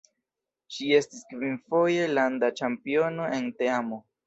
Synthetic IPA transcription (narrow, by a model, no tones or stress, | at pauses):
ʃie̞stiskvinfo̞je̞landat͡ʃampio̞no̞ʔe̞nte̞amo̞